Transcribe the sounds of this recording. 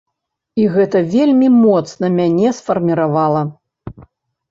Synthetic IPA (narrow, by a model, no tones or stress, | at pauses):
iɣɛt̪ɐvʲelʲmʲimɔt̪snɐmʲanʲɛsfɐrmʲiɾavalˠɐ